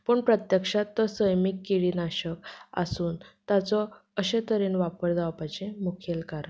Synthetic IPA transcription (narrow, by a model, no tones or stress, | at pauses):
pəɳpɾət̪jəkʂat̪ːɔsəjmikːiɭiːnaɕəka̰suːnt̪at͡sɔ | əɕet̪əɾiːnʋapəɾd͡z̪aʋapajt͡ɕẽmukʰelkaɾə